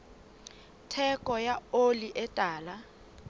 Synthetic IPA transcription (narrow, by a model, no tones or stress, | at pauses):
tʰɛkʼɔjaoliʔɛtʼaːla